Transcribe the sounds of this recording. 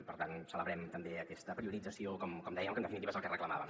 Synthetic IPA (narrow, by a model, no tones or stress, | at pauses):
pəɾt̪ansələβɾɛmt̪əmbeəkɛst̪əpɾiuɾid͡zəsiokɔmkɔmd̪ɛjəmkənəfinit̪iβəezəlˠkərəkləma̰βəm